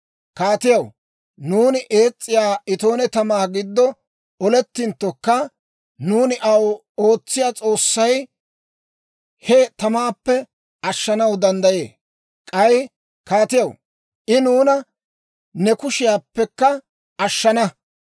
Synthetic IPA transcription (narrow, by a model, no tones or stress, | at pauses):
kaːt̪ɪjɐw | nuːnɪʔe̞ːt͡sʼːɪjaːɪt̪o̞ːnɛt̪ɐmaːɡɪd̪ːɔ | ɔlɛt̪ːɪnt̪ːɔkːɐ | nuːnɪʔɐw | o̞ːt͡sːɪjaːt͡sʼo̞ːsːɐj | hɛt̪ɐmaːpːɛ | ɐʃːɐnɐwd̪ɐnd̪ɐjḛː | kʼɐj | kaːt̪ɪjɐw | ʔɪnuːnɐ | nɛkʊʃɪjaːpːɛkːɐ | ɐʃːɐnɐ